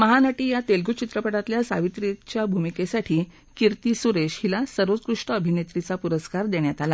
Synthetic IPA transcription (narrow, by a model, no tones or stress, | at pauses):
məɦanaʈiːjat̪elɡut͡ɕit̪ɾəpəɽat̪ljasaʋit̪ɾit͡ɕjabʱumikesaʈʰiː | kiɾt̪isuɾeɕhilasəɾʋət͡skɾuʂʈəːbʱinet̪ɾit͡sapuɾəskaɾd̪eɳjat̪ala